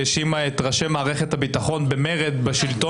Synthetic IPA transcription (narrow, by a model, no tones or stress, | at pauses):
ʃimaet̪ʁaʃemːaːʁeχet̪habit̪aχo̞nbemeʁed̪baʃilt̪o